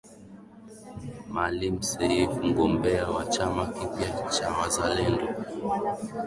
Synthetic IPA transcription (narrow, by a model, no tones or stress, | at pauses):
malim̩sɛifm̩ɡɔmbɛawat͡ʃamakiɓjat͡ʃawazalɛndɔ